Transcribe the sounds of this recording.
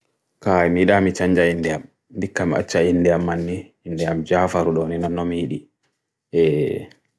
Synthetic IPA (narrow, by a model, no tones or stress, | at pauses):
kaimiɗamit͡ʃaɲd͡ʒaindɛam | ndikːamia̰t͡ʃːainːdɛamːanːiː | ndɛjamd͡ʒaːfaɾuɗɔninɔnːɔmiɗi | ʔɛ